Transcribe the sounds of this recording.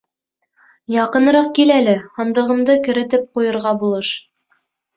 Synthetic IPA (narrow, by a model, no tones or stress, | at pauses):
jɑqɤ̆nɤ̆ɾɑq̚kilælɘhɑnd̪ɤ̆ʁɤ̆md̪ɤkɘ̆ɾɘ̆t̪ɘp̚qujɤ̆ɾʁɑbulˠɤʃ